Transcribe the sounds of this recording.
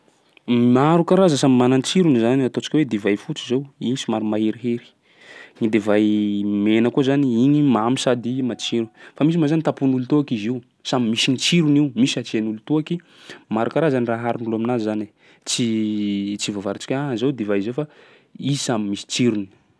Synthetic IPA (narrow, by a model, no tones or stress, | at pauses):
maɾukaɾazasamimanant͡siɾunizaniat̪ot͡si̥kʲwed̪evajfut͡sizewinisimaɾumaeɾiɦeɾi̥ | ɲid̪evajmenəkuzaniinimamisad̪imat͡ʃiɾufamis̬imazanit̪apunulut̪uakiziu | samimisinit͡siɾuniumisat͡ʃienulut̪uaki | maɾukaɾazaniraɦaɾunuluaminazani | t͡si | t͡sivavaɾit͡si̥kʲaazewd̪evaizewfa | isamimisi̥t͡siɾuni̥